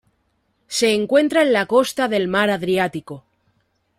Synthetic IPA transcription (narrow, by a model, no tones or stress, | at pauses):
se̞ːŋkwe̞nt̪ɾaenlako̞st̪aðe̞lmaɾaðɾjat̪iko